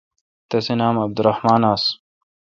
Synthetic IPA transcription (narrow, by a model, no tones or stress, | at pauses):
t̪ɐsinaːmab̚d̪ɾˤɑħmaːnaːs